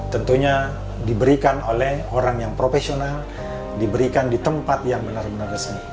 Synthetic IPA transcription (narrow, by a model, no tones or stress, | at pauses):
t̪ənt̪uɲa | dibəɾikanolɛhoɾaŋjaŋpɾofesional | dibəɾikandit̪əmpat̪jaŋbənarbənarɡəsən